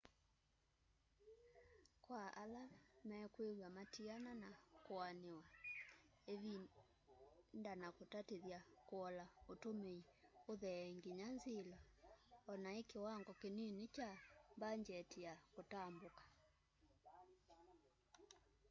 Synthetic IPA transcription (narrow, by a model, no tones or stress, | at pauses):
kwaʔalamɛkwewamatiananakoanewa | eβi | ndanakotateðjakoɔlaotomeioðɛŋɡeɲanzelaɔnaekewaŋɡɔkenenet͡ʃambaɲd͡ʒɛtijakotambokḁ